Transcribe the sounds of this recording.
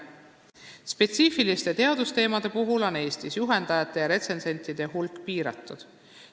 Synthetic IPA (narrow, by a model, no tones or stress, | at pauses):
spe̞t̪siːfilist̪e̞t̪e̞ɑd̪ust̪e̞ːmɑd̪̥e̞puɦulo̞ne̞ːst̪isjuɦe̞nd̪̥ɑjɑt̪ːˑe̞jɑɾe̞t̪se̞nse̞nʲt̪ˑid̪̥e̞ɦulkˑpiːɾɑ̰t̪ːˑud̪̥